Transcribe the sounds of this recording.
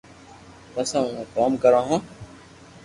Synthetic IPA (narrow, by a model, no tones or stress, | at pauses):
pəsãːũːkaːmkəɾãːɦãː